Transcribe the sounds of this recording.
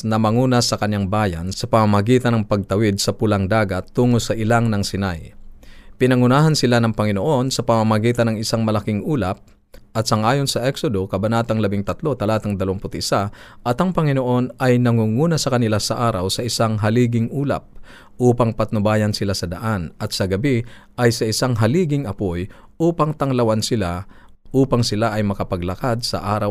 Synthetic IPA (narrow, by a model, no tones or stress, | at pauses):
nɐmɐŋuːnɐsɐkɐɲaŋbaːjɐ̰nsɐpɐmamɐɡiːt̪ɐnɐŋpɐɡ̚t̪ɐwid̪̚sɐpʊlaŋd̪aːɡɐt̪ːuːŋosɐʔɪlaŋnɐŋsɪnaj | pɪnɐŋʊnaːɦɐnsɪlanɐŋpɐŋɪnoʔo̞nsɐpɐmɐmɐɡiːt̪ɐnɐŋɪsaŋmɐlɐkɪŋuːlɐp̚ | ʔɐt̪̚sɐŋʔaːjonsɐʔɛksod̪o̞kɐbɐnaːt̪ɐŋlɐbiŋt̪ɐt̪lo̞t̪ɐlaːt̪ɐŋd̪ɐloŋpʊt̪ʔɪsaʔɐt̪ɐŋpɐŋɪno̞ʔo̞nʔɐjnɐŋuːŋuːnɐsɐkɐnɪlasɐʔaːɾɐwsɐʔɪsaŋɦɐliːɡɪŋʔuːlɐ̰p̚ | ʔuːpɐŋpɐt̪̚nʊbaːjɐnsɪlasɐd̪ɐʔanɐt̪̚sɐɡɐbi | ʔɐjsɐʔɪsaŋɦɐliːɡɪŋɐpoj | ʔuːpɐŋt̪ɐŋlɐwansɪlaʔuːpɐŋsɪlaʔɐjmɐkɐpɐɡlɐkad̪̚sɐ̰ʔaːɾɐw